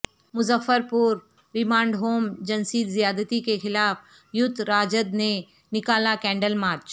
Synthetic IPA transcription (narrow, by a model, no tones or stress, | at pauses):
mʊzəfːəɾpʊɾ | ɾɪmãːɳɖɦoːmd͡ʒɐnsiːt̪zijaːd̪ət̪ikexɪlaːf | jʊt̪ɾaːd͡ʒəd̪ne | nɪkaːlakɛ̃ːɳɖəlmaːɾt͡ʃ